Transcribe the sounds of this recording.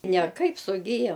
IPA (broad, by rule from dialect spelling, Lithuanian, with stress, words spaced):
nʲɛˈkɐɪp sʊˈɡʲɪjoː